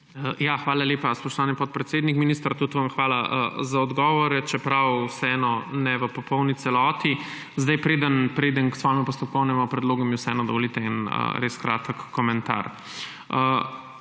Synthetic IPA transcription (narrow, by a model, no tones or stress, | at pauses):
əjaxʋaːlaleːpaspɔʃt̪ɔʋaːnipɔt̪̚pɾɛt̪seːd̪nikminist̪ɾat̪ut̪ʋamxʋaːlaəzaɔd̪ɡɔːʋɔɾɛt͡ʃɛpɾawwsɛɛnɔnɛʋəpɔpɔwnit̪sɛlɔt̪i | zd̪ajpɾeːd̪ənpɾeːd̪ənksʋɔːjɛmupɔst̪ɔp̚kɔwnɛmupɾɛd̪loːɡɔmjɛwsɛɛːnɔd̪ɔʋɔlit̪ɛinə̰ɾeskɾaːt̪əkːɔmɛnt̪a̰ɾ | ə